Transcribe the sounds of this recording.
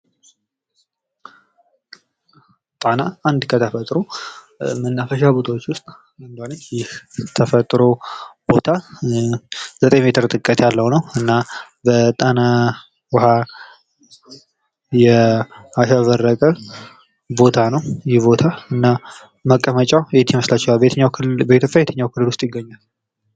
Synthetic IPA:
t̪ʼanaand̪kʰət̪ʰəfət̪ʼɾo | mənːafəʃabot̪ʰawot͡ʃːwʊst̪ʼ | and̪anət͡ʃːjɪht̪ʰəfət̪ʼɾobo̞t̪ʰa | zət̪ʼejme̞t̪ʰɨɾt̪ʼɨkʼːət̪ʰjalːəwnəwɨnːa | bət̪ʼana | wha | jɛhaʃaβərːəkʼəl | bo̞t̪ʰanəwjɪhbo̞t̪ʰaɨnːa | məkʼːəmət͡ʃʼawjɛt̪ʰːjɪməslat͡ʃːɛhaɲːawbəet̪ʰjopʼːjajt̪ʰəɲːawkʰɨlːɨlwʊst̪ʼjɪɡːəɲːal

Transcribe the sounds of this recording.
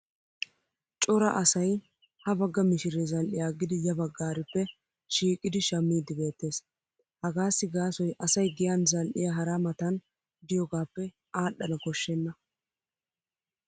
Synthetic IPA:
t͡ʃʼɔɾɐ̰ʔɐsɐj | hɐbɐɡːɐmɪʃɪɾezɐlʔɪjaːɡɪd̪ɪjɐbɐɡːaːɾɪpːɛ | ʃiːkʼːɪd̪ɪʃɐmːiːd̪ɪbe̞ːt̪ːe̞ːs | hɐɡaːsːɪɡaːsɔjʔɐsɐjɡɪjanzɐlʔɪjaːɦɐɾamɐt̪ɐn | d̪ɪjɔɡaːpːɛ | aːɗːɐnɐkɔʃːɛnːɐ

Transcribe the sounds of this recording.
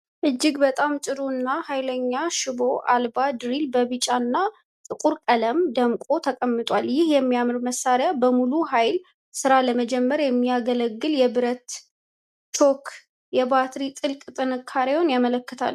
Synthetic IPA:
ʔɨd͡ʒːɪɡbət̪ʼamt͡ʃʼɨɾunːahajləɲːaʃɨbo̞ʔalbad̪ɾilbəβɨt͡ʃʼanːa | t̪ʼɨkʼuɾkʼələmd̪əmkʼo̞t̪ʰəkʼəmːɨt̪ʼwaljɪhjɛmːijamɨɾməsːaɾjabəmuluɦajl | sɨɾaləməd͡ʒɛmːəɾjɛmːiaɡələɡːɨljɛbɨɾət̪ | t͡ʃʰokʰ | jɛbat̪ɾit̪ʼɨlkʼt̪ʼɨnɨkʰːaɾewonjamələkːɨt̪ʰa̰l

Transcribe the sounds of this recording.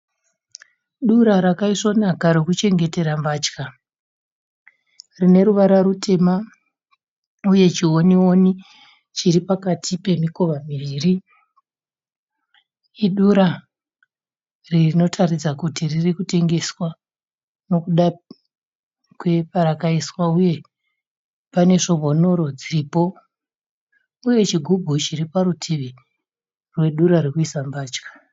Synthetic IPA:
ɗuɾaɾakaiso̞nakaɾokut͡ʃe̞ŋɡe̞te̞ɾambaːt͡ʃka | rine̞ɾuʋaɾaɾutʰe̞ma | uje̞t͡ʃiwo̞niwo̞ni | t͡ʃiɾipakatʰipe̞miko̞ʋamiʋiːri | ɗuɾa | rino̞tʰarid͡zakutiririkute̞ŋɡe̞swa | no̞kuɗa | kwe̞paɾakaiswauje̞ | pane̞ʐo̞mo̞no̞ɾo̞d͡ziriːpo̞ | uje̞t͡ʃiɡʱubʱut͡ʃiripaɾutʰiʋi | rwe̞ɗuɾaɾikuisambaːt͡ʃkḁ

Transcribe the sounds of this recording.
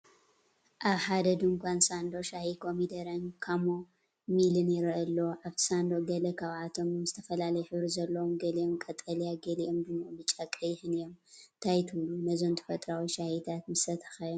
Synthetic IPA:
ʔaβħad̪ɐd̪uŋkʷʰansand̪o̞ʃahikʰo̞mid̪ɐɾɐnkʰamo | milɨnjɪɾʔɐlːoʔaβʰsand̪oɡɐlɐkʰaβat̪ʰo̞mɨmzɨt̪ʰɐ̥fɐlalɐjħɨβɾizɐlːɐwomɡɐliomkʼɐt̪ʼɐlijaɡɐliʔomd̪ɨmːobɨt͡ʃʼakʼɐjħɨnijo̞mt̪ʰajt̪ʰɨβlunɐzo̞nt̪ʰɐ̥fɐt̪ʼɾawiʃahit̪ʰat̪mɨsɐt̪ʰɐ̥xaj

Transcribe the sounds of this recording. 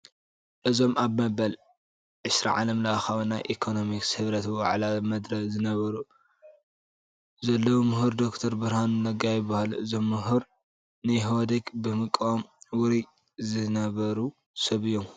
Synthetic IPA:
ʔɨzo̞maβmɐbɐl | ʕɨsɾa̰ʕa̰lɐmlaaxawnːajʔikʰono̞mikshɨβɾɐt̪wa̰ʕlamɐd̪ɾɐzɨnɐβɐɾu | zɐlːɐwomɨhuɾd̪okt̪ʰɐɾbɨɾhanɨnɐɡajɪbahalɨzo̞mːɨɦuɾ | najɦod̪ekbɨmɨkʼːomwɨɾi | zɨnɐβɐɾu | sɐβɨjːom

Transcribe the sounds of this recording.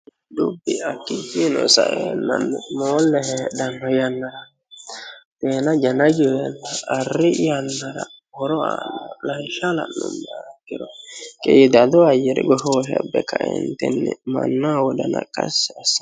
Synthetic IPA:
dubːiakːid͡ʒinɔsa̰ʔɛnːanːumɔːlːɛhɛdanːɔjanːaɾa | t̪ɛːnad͡ʒanaɡiwɛnːaːrijanːaɾa̰hɔɾɔanːalajʃala̰nʊnːaɾaɡiɾɔkʼɛjid̪ad̪ɔajɛɾiɡɔɦɔɦɛbːɛkʰaʔɛ̰nt̪ɛnːɛma̰nːawɔdana̰kʼasːasḁ

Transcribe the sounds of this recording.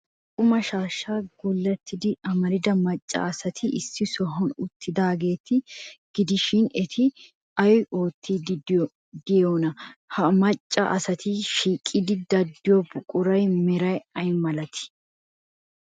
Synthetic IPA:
kʼʊmɐʃaːʃːaːɡʊlːɐt̪ːɪd̪ɪɐmɐɾɪd̪ɐmɐt͡ʃʼːɐ̰ɐsɐt̪ʰɪʔɪsːɪsɔɦɔnʊt̪ʰːɪd̪aːɡe̞ːt̪ːɪɡ̥ɪd̪ɪʃɪnɛt̪ʰɪ | ɐjjo̞ːt̪ʰːid̪ | d̪ɪjoːnɐhɐmɐt͡ʃʼːɐ̰ʔɐsɐt̪ɪʃiːkʼːɪd̪ɪd̪ɐd̪ːɪjɔbʊkʼʊɾɐjmɛɾɐjɐjmɐlɐt̪ɪ̥

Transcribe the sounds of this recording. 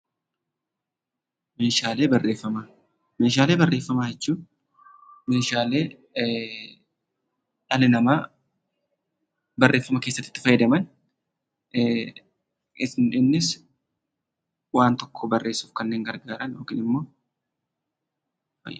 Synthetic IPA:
meːʃaːle̞ːbɐrʔeːfːɐma | meːʃaːle̞ːbɐrːe̞ːfːɐmaːjɛt͡ʃːuː | meːʃaːleː | ᶑɐlɪnɐmaː | bɐrːʔeːfːɐmɐkeːsːɐt̪ːɪ̥t̪ːɪ̥fɐjɪd̪ɐmɐn | ɪsnᶑɪnːɪs | waːnt̪ɔkʰːoːbɐrːʔe̞ːsuːfkɐnːe̞ːŋɡɐɾɡaːɾɐnjoːkɪːnɪmːo̞ː

